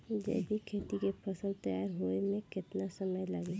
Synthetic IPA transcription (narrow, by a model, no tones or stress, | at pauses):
d͡ʒɛ̰ːbʱikʰeːt̪ikepʰɐsəlt̪ɐjaːɾɦuemẽkɪt̪nasɐməjlaːɡeː